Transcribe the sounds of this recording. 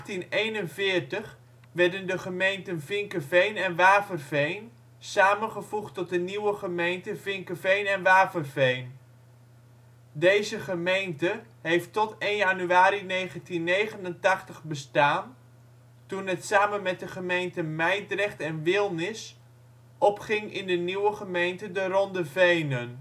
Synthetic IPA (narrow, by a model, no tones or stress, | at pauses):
tinejnənvɪːrtəχ | ʋɛɹdəndəχəmejntənvɪŋkəvejnɛnʋaːpərvejn | saːmənχəvuχtɔt̚dəniwəχəmejntəvɪŋkəvejnɛnʋaːpərvejn | dejzəχəmejntə | ɦejftɔtejnjanyaːɾinejχəntinːejχənəntɑχtəχbəstaːn | tunətsaːmənmɛt̚dəχəmejntəmɛjtrɛχtɛnʋɪlˠnɪs | ʔɔpχɪŋɪ̰ndəniwəχəmejntədərɔndəvejnən